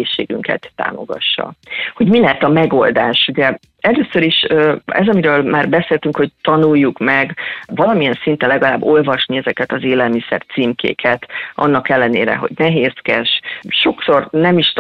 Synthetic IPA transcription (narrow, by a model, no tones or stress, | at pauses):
eːʃːḛːɡy̰ŋkɛ̰t̪ːa̰ːmo̞̰ɡɒ̰ʃːɒ̰ho̞ɟmilɛɦɛt̪ɒmɛɡo̞ld̪aːʃuɟɛ | ɛløːsøɾiʃøɛzɒmiɾøːlmaːrbɛseːlt̪yŋkho̞ct̪ɒnujːukmɛɡvɒlɒmijɛnsint̪ɛnlɛɡɒlaːbːo̞lvɒʃniɛzɛkɛt̪ɒzeːlɛlmisɛ̰rt̪siːmkʰḛːkʰɛt̪ʔɒ̰nːɒkɛlːɛnḛːɾɛ̰ɦo̞̰ɟnɛɦeːskɛʃʃo̞kso̞rnɛmiʃt̪